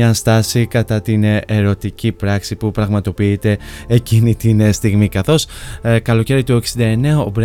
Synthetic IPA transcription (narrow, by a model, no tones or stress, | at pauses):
ɐst̪ɐsikɐt̪ɐt̪ineɾo̞t̪icipɾɐksipupɾɐɣmɐt̪o̞piːt̪e̞ecinit̪inst̪iɣmikɐθo̞skɐlo̞ce̞ɾit̪ue̞ksind̪ɐe̞ne̞ɐobɾ